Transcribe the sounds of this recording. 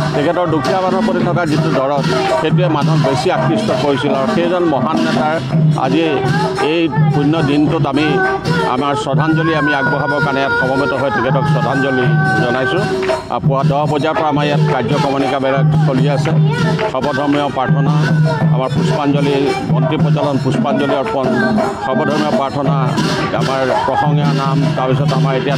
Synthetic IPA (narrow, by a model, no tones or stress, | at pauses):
tʰikʰɛtɔɹdukʰijamanɔpoɾitʰɔkazitudɔɹɔtxetuɛmanɔbesiakʰːistɔkoɹisilaɹɔxejzɔnmɔɦanːɛtaɹ | a̰zi | ejdʱunːɔdintʊtami | a̰maɹsɔdʱand͡ʒɔliamiaɡ̚bɔɦabɔkanɛjatɔbɔmitɔɦɔjtʰikʰɛtɔksɔdʱanzɔlizɔnajsʊ̃ | a̰pɔadɔɦɔpɔzapɔɹaamaɹjatkad͡ʒɔkɔmɔnikabɛlaksoliɛasɛsɔbɔd̪ʱɔɹmiɔpɹaɹʈʰɔnaa̰maɹpuspand͡ʒɔlimɔntipɔd͡ʒalɔnpuspand͡ʒɔliɔɹpɔnsɔbɔd̪ʱɔɹmiɔpɹaɹʈʰɔna | a̰maɹpɹɔsɔŋjanamtaɹpisɔtamaɹetija